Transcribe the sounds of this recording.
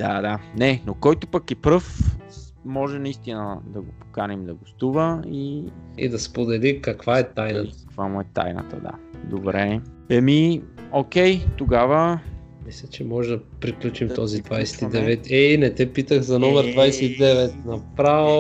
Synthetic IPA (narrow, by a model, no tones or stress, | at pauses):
d̪̥a̰d̪anɛnokɔjt̪opɐkɛpɾɤf | mɔʒɛnɐist̪inəd̪ɐɡopo̥kanɛmd̪ɐɡost̪uvəiḭd̪ɐspod̪ɛlikɐkvaɛt̪ajnət̪kvamʊɛt̪a̰jnə̰t̪ə̰d̪a̰d̪obɾɛ | ɛmiok̟ɛjt̪oɡavə | mislʲɛt͡ʃɛmɔʒɛd̪ɐpɾiklʲut͡ʃimt̪ɔzid̪vajsɛ̥t̪id̪ɛvɛt̪ɛinɛt̪ɛpit̪əxzɐnɔmɛɾd̪vajsɛid̪ɛvɛt̪nɐpɾavo